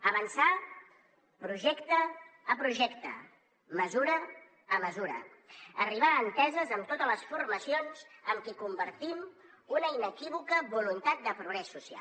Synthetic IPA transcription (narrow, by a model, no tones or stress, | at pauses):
əβənsa | pɾuʒɛkt̪əːpɾuʒɛkt̪ə̰ | məzuɾə | əməzuɾə̰əriβaːnt̪ɛzəzəmt̪ot̪ələsfurməsionz̥əmkikumbəɾt̪im | unəinəkiβ̞ukəβulunt̪at̪̚d̪əpɾuɣɾɛsːusia̰